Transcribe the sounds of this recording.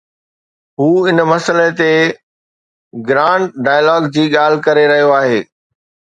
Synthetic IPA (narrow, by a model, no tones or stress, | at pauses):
ɦuːɪnmɐsəlet̪e | ɡɾãːɳɖɖaːjəlɔːɡd͡ʑiːɠaːl̤ɪkɐɾeɾɐɦijoaːɦeː